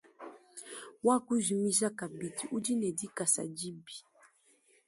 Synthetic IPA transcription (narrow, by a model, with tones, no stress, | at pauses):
wa˦˨ku˦zi˨mi˦za˦ka˨bi˨ti˨u˦d͡ʒi˦nɛ˨di˦ka˨sa̰˨d͡ʒi˦bi̥˨